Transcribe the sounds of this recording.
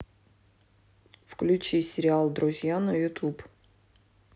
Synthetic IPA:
fklʲʉt͡ɕisʲɪɾʲɪalˠd̪ɾʊzʲjanəjʊt̪up

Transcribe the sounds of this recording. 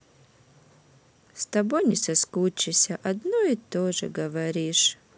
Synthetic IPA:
st̪ɐbojnʲɪsɐskut͡ɕːɪsʲɐʔɐd̪noit̪oʐɨ̰ɡɐvɐɾʲiʂ

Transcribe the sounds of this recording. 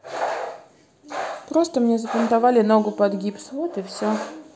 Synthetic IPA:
pɾo̞st̪əmnʲezəpʲɪnt̪avalʲɪno̞ɡʊpɐd̪ɡʲipsvot̪ɨfsʲo

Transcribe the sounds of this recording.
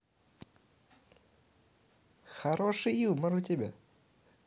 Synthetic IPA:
xɐɾoʂɨjiuməɾʊtʲɪbʲa̰

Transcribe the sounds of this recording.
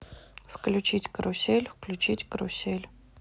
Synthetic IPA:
fklʲʊt͡ɕitʲkɾʊsʲelʲfklʲʉt͡ɕitʲkɾʊ̰sʲelʲ

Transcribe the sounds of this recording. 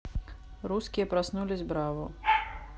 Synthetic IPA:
ɾuskʲijɐpɾasnulʲizʲbɾavʊ

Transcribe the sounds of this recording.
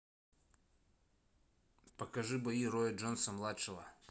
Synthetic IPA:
pɐkɐʐɨbɐiɾojɐʐonsɐmlˠat̪ʂɨvə̰

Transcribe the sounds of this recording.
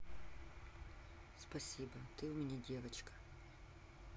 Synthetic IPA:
spɐsʲibɐt̪ɪwʊmʲenʲidʲɛʋet͡ʃkɐ̥

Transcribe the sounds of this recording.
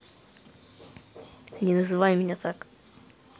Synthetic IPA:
nʲɪnəzɨvajmʲɪnʲat̪ak

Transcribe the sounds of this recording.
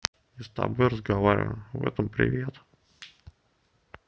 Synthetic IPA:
ɪst̪a̰bojɾəzɡavaɾʲɪ̰və̰mvɛ̰t̪əmpɾʲɪ̰vʲet̪

